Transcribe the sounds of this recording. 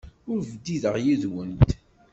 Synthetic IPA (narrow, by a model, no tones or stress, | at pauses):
ʊɾvəd̪iðəʁjiðwənt̪